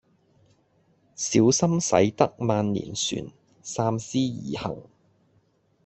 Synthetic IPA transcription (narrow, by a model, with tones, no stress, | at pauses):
siː˨˥wsɐ˥msɐ̰˨˥jt̪ɐ˥k̚maː˧nlḭː˨˩nsy̰ː˨n | saː˧msiː˥jiː˨˩hɐ̰˨˩ŋ